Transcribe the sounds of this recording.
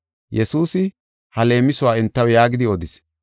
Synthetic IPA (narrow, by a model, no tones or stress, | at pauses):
jɛsuːsɪ | hɐle̞ːmɪsʊwaːɪnt̪ːɐwjaːɡɪd̪ɪɔd̪ɪs